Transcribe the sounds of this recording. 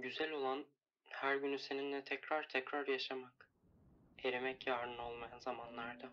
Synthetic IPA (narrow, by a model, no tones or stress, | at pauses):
ɟyzælʲo̞lˠan | hæɾɟynyse̞nind̪ɛt̪ʰɛcɾaɾt̪ʰɛcɾaɾjaʃamak | e̞ɾemɛcjaːɾɯno̞lˠmajanzamanlˠaɾd̪a